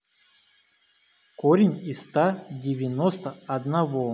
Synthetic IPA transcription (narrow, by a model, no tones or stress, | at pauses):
koɾʲɪnʲist̪adʲɪvʲɪnost̪əɐd̪navo